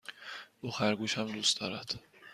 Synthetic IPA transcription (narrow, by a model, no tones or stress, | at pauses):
ʔuːxæɾɡuːʃhæmd̪uːst̪d̪ɒːɾæd̪̥